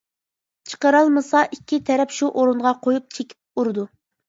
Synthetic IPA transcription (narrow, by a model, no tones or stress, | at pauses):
t͡ʃʰə̥qəɾɑlˠmɨsɑʔikʲʰːit̪ʰɛɾɛpʃuʔoɾuɴʁɑqʰojup̚t͡ʃʰekʲʰi̥p̚uɾɨd̪u